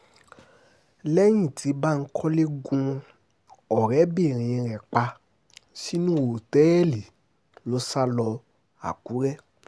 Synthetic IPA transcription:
lɛ˦j̃ĩ˦˨tʰi˨˧˦ba˦˨n̩˦kʰɔ˦le˦ɡũ˧ | ɔ˨ɾɛ˨˦bi˦˨ɾ̃ĩ˨˧ɾɛ˨k͡pa˧ | si˦nũ˦o˨tɛ˨˦ɛ˦li˨ | lo˦sa˦lɔ˧ | a̰˨ku˨˦ɾɛ˦

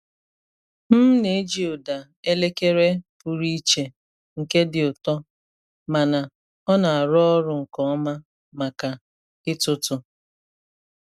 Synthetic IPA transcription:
m̩˦ne˨˦d͡ʒi˨ʊ˨da˨ | e˦le˦ke˦ɾe˦pu˨ɾi˦t͡ʃe˨ | ŋ̩˨ke˦dɪ˨ʊ˨tɔ˦ | ma˨na˨ | ɔ˦na˨a˨ɾɔ˦ɔ˦ɾʊ˨ŋ̩˨kɔ˦ɔ˦ma˦ | ma˨ka˨ | ɪ˦tʊ˦tʊ˨

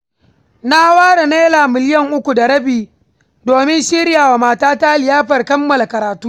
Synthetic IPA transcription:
na˦waː˦ɽa˨neː˦laː˨mɪ˨lɪ˦jɐ˦ŋʔʊ˦kʷu˨da˨ɽɐ˦biː˨ | doː˨mɪ˦nʃi˦ɾjaː˨wa˨maː˨taː˦ta˦lɪ˨jaː˦ɸɐ˨rkɐ˦mːɐ˨la˨kɐ˨ɾaː˨tuː˦

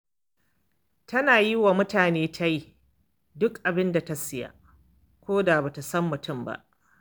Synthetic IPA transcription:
tɐ˦naː˨ji˦wa˨mʊ˦taː˨neː˦tʰa˦ji˦ | dʊ˦kʔa˨bɪ˦nda˨ta˦sɪ˦ja̰˨ | kʷoː˦da˨ba˨ta˨sɐ˦mːʊ˨tʊ˦mba̰˦ʔ

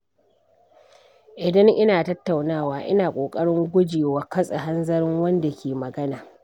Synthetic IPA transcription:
ʔɪ˨dɐ˦ŋʔɪ˦naː˨tɐ˦tːa˨wnaː˦˨waː˨ʔɪ̰˦naː˨kʷʼoː˨kʼɐ˦ɽɪ˦ŋɡʷʊ˦d͡ʒeː˨wa˨kɐ˦sʼa˨ɦa˦nzɐ˦ɾɪ˦ŋwɐ˦nda˨kʲʰeː˨mɐ˨ɡɐ˦naː˨

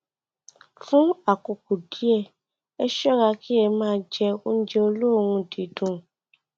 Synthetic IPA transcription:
fũ˦a˦˨ko˨ku˨di˨˦ɛ˦˨ | ɛ˦ʃɔ˦ɾa˧ki˦ɛ˧mãː˦˧˦d͡ʒɛ˧o˦n̩˦d͡ʒe˧o˧lo˦˨wũ˧di˨dũ˨˧

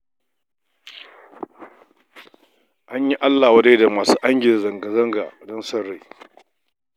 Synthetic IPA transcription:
ʔa˦ɲji˦ʔa˦lːaː˨wɐ˦de˦da˨maː˨suː˦ʔa˦ŋɡʲɪ˨zɐ˨ŋɡɐ˨zɐ˦ŋɡa̰ː˨dɔ˦nsɐ˦ɽːe˨

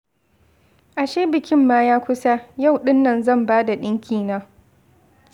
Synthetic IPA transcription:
ʔa˨ʃeː˦bɪ˨kʲɪ˦mːaː˦jaː˦kʷʊ˦sa˦ja˦˨wɗɪ˦nːɐ˨nzɐ˦˨mbaː˦da˨ɗɪ˦ŋkʲʰiː˨naː˦

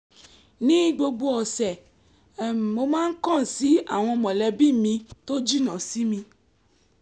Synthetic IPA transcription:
nĩ˦ɡ͡bo˧ɡ͡bo˦ɔ˨sɛ˨ | mo˧mãː˦n̩˦kɔ̃˦˨si˨˦a˦˨w̃ɔ̃˧mɔ̃˨lɛ˧bi˦mĩ˧to˦d͡ʒi˦nã˨si˨˦mĩ˧

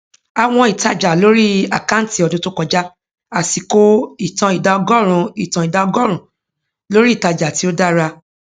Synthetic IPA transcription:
a˨w̃ɔ̃˧i˨ta˧d͡ʒa˨lo˦ɾi˦a˨ka˦n̩˦ti˨˧ɔ˧˨dũ˧˦to˦kɔ˧d͡ʒa˦ | a˨si˨ko˦i˨tã˧i˨da˨˧ɔ˧ɡɔ˦ɾ̃ũ˧i˨tã˨i˨da˧ɔ˧ɡɔ˦ɾ̃ũ˨ | lo˦ɾi˦i˦˨ta˧d͡ʒa˨ti˨˦o˦da˦ɾa˧

